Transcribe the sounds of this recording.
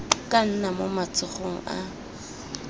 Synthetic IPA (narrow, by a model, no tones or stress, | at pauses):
kʼan̩namomat͡sʼʊχoŋ̩a̰